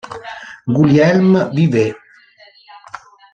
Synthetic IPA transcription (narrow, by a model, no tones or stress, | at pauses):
ɡuljɛlməbiðe